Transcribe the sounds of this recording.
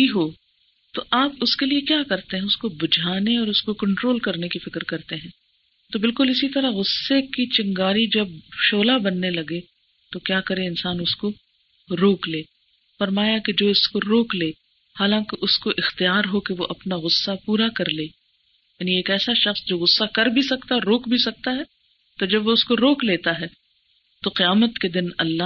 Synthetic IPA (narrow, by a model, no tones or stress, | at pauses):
iɦoː | t̪oʔaːpʊskeliekjaːkɐɾt̪eɦɛ̃ʊskobʊd͡ʒʱaːneɔːɾʊskokɐ̃ɳʈɾoːlkɐɾnekifɪkɾkɐɾt̪eɦɛ̃ː | t̪obɪlkʊlɪsit̪ɐɾaɣʊsːekit͡ʃɐ̃ŋɡaːɾid͡ʒɐbʃoːlabɐnːelɐɡe | t̪okjaːkɐɾẽɪnsaːnʊsko | ɾoːkleː | fɐɾmaːjaked͡ʒoːɪskoɾoːkleː | haːlãːkeʔʊskoʔɪxt̪ijaːɾɦokeʋoʔɐpnaɣʊsːapuːɾakɐɾleː | jaːnieːkɛːsaʃɐxsd͡ʒoːɣʊsːakɐɾbʱisɐkt̪aɾoːkbʱisɐk̚t̪aɦɛː | t̪od͡ʒɐbʋoʊskoɾoːkleːt̪aɦɛː | t̪oqɪjaːmət̪ked̪ɪnɐ̰lːa